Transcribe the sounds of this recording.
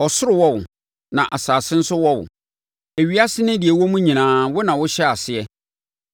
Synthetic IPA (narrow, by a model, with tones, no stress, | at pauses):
ɔ˨sʊ˦ɾɪ˨wɔ˦wʊ˨ | nã̰˨ʔa˨saː˨sɪ̃˦n̩˦sʊ˦wɔ˦wʊ̰˨ | e˨ɥi˦a˦sɪ˦nɪ̃˦di˨e˨wɔ˦mũ˦ɲĩ˨nãː˦wʊ˦nã˨wʊ˦ɕɛ˦a˨sɪ˦ɛ˦